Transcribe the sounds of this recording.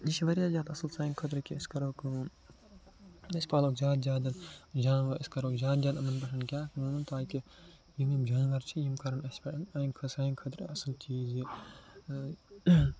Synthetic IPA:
iʃʋɐɾjaːzʲjaːd̪ɐsɐlsaːjŋkʰɐt̪̬ɾkʲiɐskɐɾoːk | ɐsʲpaːloːkzʲjaːd̪zʲjaːd̪ɐnd͡ʒaːnʋɐɾɐskɐɾoːkzʲjaːd̪zʲjaːd̪ɐmɐnpɐʃɐnkʲjaːkɐũːnɐnt̪aːki | jimimd͡ʒaːnʋɐɾt͡ʃʰijimkɐɾɐnɐsʲpɐɐnɐːnkʰɐsaːnkʰɐt̪ɾɐɐsɨlt͡ʃiːzi

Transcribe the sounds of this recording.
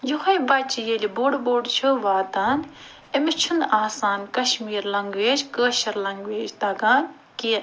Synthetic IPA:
juxɐjbɐt͡ʃijelʲiboːɖboːɽt͡ʃʰuʋaːd̪aːn | emit͡ʃʰund̪aːsaːnkɐʃmiːɾlɐŋɡʋeːd͡ʒkəːʃɐɾlɐŋɡʋeːd͡ʒd̪ɐːɡaːn | kiː

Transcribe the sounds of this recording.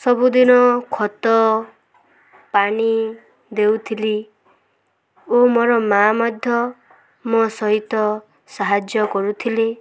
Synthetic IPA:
sɔbud̪inɔkʰɔt̪ɔ | pani | d̪ewt̪ʰili | omoɾɔmamɔd̪ʱjɔ | mɔsɔɦit̪ɔ | saɦad͡ʒjɔkɔɾut̪ʰile

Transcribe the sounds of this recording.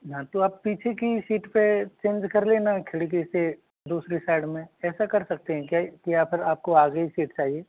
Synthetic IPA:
ɦãt̪oaːpːiːt͡ʃʰekisiːʈpet͡ʃẽːnd͡ʒkɐɾleːnakʰɪɽik̬ise | d̪uːsɾisaːɪɖmẽɛːsakɐɾsɐk̚t̪eɦɛ̃kjakiaːpʰɪɾaːp̚koaːɡəisiːʈt͡ʃaːɦieː

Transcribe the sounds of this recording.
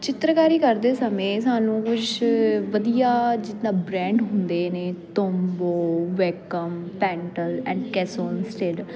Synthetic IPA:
t͡ʃɪt̪ɾəkaːɾiːkəɾd̪eːsəmẽːsaːnũːkʊt͡ʃʰʋəd̪ijaːd͡ʒɪt̪nãːbɾɛ̃ːɳɖɦʊ̃nd̪eːneːt̪oːmboːʋɛkəmpɛ̃ːɳʈəlɛ̰̃ːɳɖkɛːsoːnsʈeɖ

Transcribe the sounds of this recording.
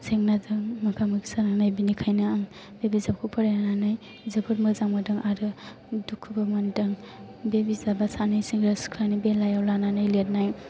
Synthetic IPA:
seŋnadɯŋmɐkʰamɯɡisaɾaŋnajbinikʰajnɯaŋ | bebizabkʰupʰaɾjananɯj | zɐbɯɾmɯzaŋmadɯŋaɾɯ | dukʰːubamandɐŋ | bebizabasanajsiŋɡɾaskʰlanibelajawlananajlet̚naj

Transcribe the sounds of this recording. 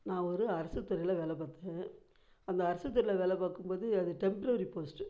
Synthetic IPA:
nãːɔɾɯɐɾɐsɯt̪ːɐɾɐɪlɐʋɛːlɐpaːt̪ẽː | ɐnd̪ɐːɾɐsɯt̪̬ːɐɾɪlɐʋɛːlɐpaːkːɯmpoːðɯɐðɯʈɛmpɐɾɐɾipoːsʈɯ

